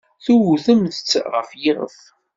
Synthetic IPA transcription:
θuwuθəmθət͡sːʁə̰fjɪʁə̰f

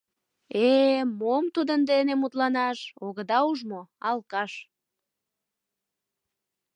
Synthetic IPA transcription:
emomt̪ud̪ənd̪enemut̪lɑnɑʃoɣəd̪ɑuʒmoɑlkɑʃ

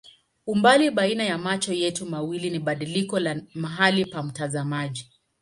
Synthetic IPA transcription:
umbaliɓainajamat͡ʃɔjɛtumawiliniɓaɗilikɔlamaɦalipam̩tazamaʄi

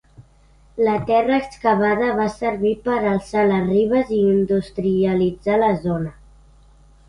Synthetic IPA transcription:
lət̪ɛrəːkskəβ̞að̞əβasəɾβipəɾəlˠsaləzriβ̞əziːnd̪ust̪ɾiəlid͡zaləzonə

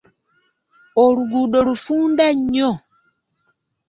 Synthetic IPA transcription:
oluɡuːdo̞lufuːndaɲːo

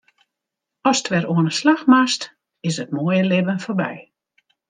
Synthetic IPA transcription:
ɔstʰʋɛɾoənəslaxmast | ɪs̬ətmoəjəlɪbənforbɛ̰j

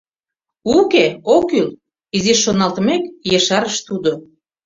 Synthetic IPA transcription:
ukeokyl | iziʃːonɑlt̪mekjeʃɑɾəʃt̪ud̪o

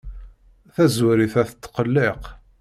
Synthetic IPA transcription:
θæzwɾiθæθət̪ːqəlːeq

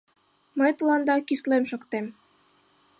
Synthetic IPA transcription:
məjt̪ɤ̆lɑnd̪ɑkislemʃokt̪em

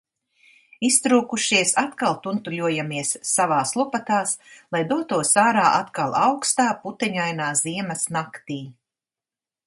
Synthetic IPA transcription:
ist̪ɾuːkuʃiɛsat̪kalˠt̪unt̪ulʲuɔjamiɛsːavaːslˠupat̪aːslˠajd̪uɔt̪uɔsaːɾaːʔat̪kalˠawkst̪aːput̪ɛɲajnaːziɛmɐsnakt̪iː

